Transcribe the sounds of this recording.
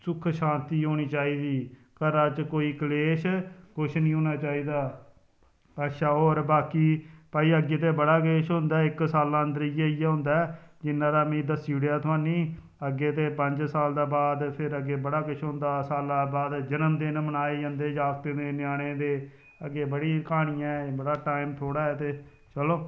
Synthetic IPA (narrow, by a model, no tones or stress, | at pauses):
sʊkʰʃãːnt̪iːɦoːɽ̃iːt͡ʃaːiːd̪iː | kəɾaːt͡ʃkoːiːkəleːʃkʊt͡ʃʰnĩːɦoːñaːt͡ʃaːiːd̪aː | paːʃaːɦoːɾbaːkiːpaːiːəɡːeːt̪̬eːbəɽaːkleːʃɦõnd̪aːɪksaːlãːənd̪əɾijeiːjɛːɦʊ̃nd̪aːɛd͡ʒɪnːãːɾaːmĩːd̪əsiːɽijaːt̪ʰʊãːniː | əɡːeːt̪eːpə̃ɲd͡ʒsaːld̪aːbaːd̪pʰɪɾəɡeːbəɽaːkʊʃʰõːnd̪aːsaːlaːbaːd̪d͡ʒənəmd̪ɪnmənaːeːd͡ʒãːnd̪eːd͡ʒaːft̪eːd̪eːnɪjaːɽ̃eːd̪eː | əɡeːbəɽiːkaːɽ̃ɪjãbəɽaːʈaːɪmt̪ʰoːɽaːɛːt̪eː | t͡ʃəloː